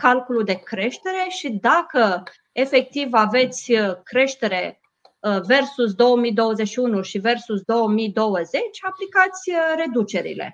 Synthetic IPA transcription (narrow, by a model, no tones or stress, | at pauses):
kalkulud̪e̞kɾe̞ʃt̪e̞ɾe̞ʃid̪akə | e̞fe̞k̚t̪ivave̞t̪sʲkɾe̞ʃt̪e̞ɾe̞ | ve̞rsus̬d̪o̞wəmid̪o̞wəzeʃiunuʃive̞rsusd̪o̞wəmid̪o̞wəze̞t͡ʃʲaplikat̪sʲɾe̞d̪ut͡ʃe̞ɾḭle̞̰